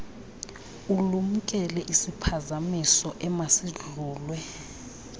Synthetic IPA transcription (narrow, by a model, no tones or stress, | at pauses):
ulum̩kʼɛlɛʔisipʰazamisɔʔɛmasiɮuːlwɛ